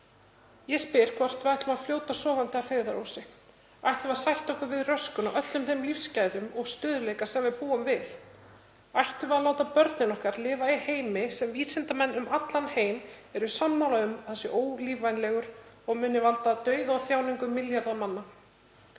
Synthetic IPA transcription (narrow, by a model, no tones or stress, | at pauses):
jɛspɪɾ̥kʰvɔr̥t̪vajht̪ʏmaðfljoːwt̪asɔːvant̪ɪafeːjɣðaɾowsɪ | ajht̪lvaðsajht̪ɔhkʏvɪðrœskʏnaʔœt̪lʏmθemlifscaːjðʏmɔɣst̪ʏːðʏlejkasɛmvɪðpuːamvɪθ | ajht̪ʏvaðloːwt̪apœɾt̪nɪnɔhkaɾlɪːvaiheːjmɪsɛmviːsɪnt̪amɛnːʏmat̪lanheːjmɛɾʏsamːawlaʏmθɛsɪʔoːwliːvajnlɛɣʏɾ | ɔɣmʏːnːɪvalt̪at̪œːɥðaɔθjaːwniŋkʏmːɪljaɾðamanːa